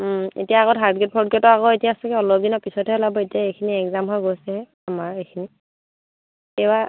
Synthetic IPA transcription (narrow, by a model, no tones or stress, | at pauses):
ḛtijaːɣɔtɦaɹdɡɛt̚pʰɔdɡɔtɔaɣɔetijaːsɛkɛɔlɔb̚dinɔpisɔtʰɛlabɔetijaejkʰiniɛkzamɦɔjɡojsɛɦɛ | amaɹejkʰini | ɛjba